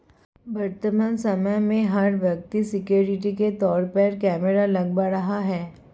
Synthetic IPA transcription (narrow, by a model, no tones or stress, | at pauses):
ʋɐɾt̪əməːnsɐməjmẽɦɐɾʋjɐk̚t̪isɪkjoːɾɪʈ̬iket̪ɔːɾpəɾkɛːməɾalɐɡbaɾɐɦaɦɛː